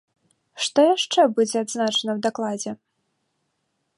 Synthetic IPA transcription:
ʂt̪ɔjaʂt͡ʂɛbud͡zʲɛad̪znat͡ʂɐnɐwd̪aklˠad͡zʲɛ

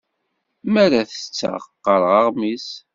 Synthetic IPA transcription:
mæɾaθə̥t͡sːə̰ʁqːəɾˤʁəʁmis

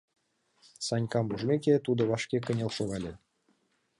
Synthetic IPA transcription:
sɑnʲkɑmbuʐmʲek̬ʲet̪ud̪ɤ̆βɑʃkʲekə̆nʲelʃoɣɑlʲĕ

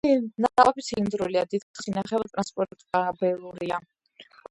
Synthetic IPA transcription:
naaqʼɔpʰit̪sʰind̪ɾuliad̪id̪sinaχɛvt̪ʼɾanspʼɔɾt̪ʼkʼabɛlˠuɾia

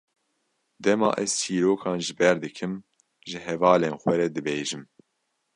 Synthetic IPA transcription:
d̪ɛmɑ̰ːʔɛz̥t͡ʃʰiːɾoːkʰɑːnʒɨbɛɾd̪ɨkʰɨm | ʒɨɦɛvɑːleːnxwɛɾɛd̪ɨbeːʒɨm

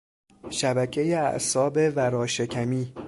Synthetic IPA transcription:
ʃæbæcʰe̞jeæ̰ʔsɒːbe̞væɾɒːʃecʰæmiː

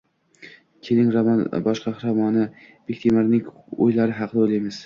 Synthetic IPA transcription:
kʲʰelɪŋɾbɒʃqɑχɾɒmɒnɪ | b̥ek̚ʲt̪ʰemɪɾnɪŋʰ | ojlaɾɪɦɑqʰd̪aojlajmɪz̥

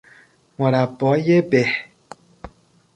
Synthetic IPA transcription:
mɔɾapɔjebɛ

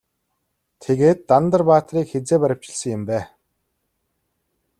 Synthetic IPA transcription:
t̪ʰeɣeːt̪ːant̪ə̆rpaːt̪riːkxet͡seːpæɾʲə̆w̥t͡ɕɪ̆ɮsə̆ŋjɪ̆mpæː

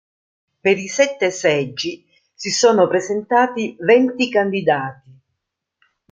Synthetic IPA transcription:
peɾisɛt̪ːesɛd͡ʒːi | sisoːnopɾezent̪aːt̪ivɛnt̪ikand̪id̪aːt̪i

